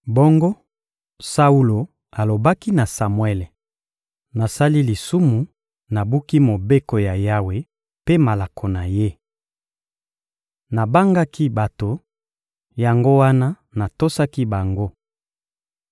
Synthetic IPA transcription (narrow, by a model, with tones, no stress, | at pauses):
bo˦ŋɡo˦ | sa˦u˦lo˨ | a˨lo˨ba˦ki˦na˨sa˨mwɛ˦lɛ˨ | na˨sa˦li˦li˨su˦mu˨ | na˨bu˦ki˦mo˨be˦ko˨ja˨ja˦we˨ | pe˦ma˨la˨kʰo˨na˨je˦ | na˨ba˦ŋɡa˦ki˦ba˨to˨ | ja˨ŋɡo˦wa˦na˦ | na˨to˦sa˦ki˦ba˨ŋɡo˦